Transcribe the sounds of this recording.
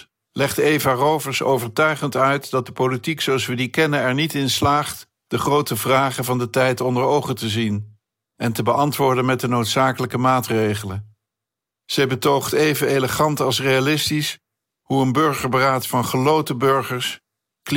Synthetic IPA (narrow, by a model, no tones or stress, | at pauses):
lɛχtejvarowvəɹso̰wvəɹtœɥχəntœɥtdɑt̚dəpolitiksowɑsʋədikɛnənɛɹnitɪnslaːχt | d̥əχrowtəvraːχəvɑndətɛjtɔndəɹowχətəzin | ʔɛntəbəʔɑntʋʊːɹdənmɛt̚dənowtsaːkələkəmaːtrejχələn | z̥ɛjbətowχtejvəneləχɑntɑlˠsrejalɪstis | huənbɵɹχəɹbəraːtfɑnχəlowtəbøɹχəɹs | k